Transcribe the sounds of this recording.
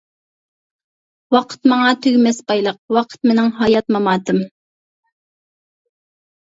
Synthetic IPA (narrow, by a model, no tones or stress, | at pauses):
wɑqʰə̥t̪mɑŋɑt̪ʰyɡʲmɛsbɑjlˠəq̚wɑqʰə̥t̪̚menɪŋɦɑjɑt̪mɑmɑːt̪ɨm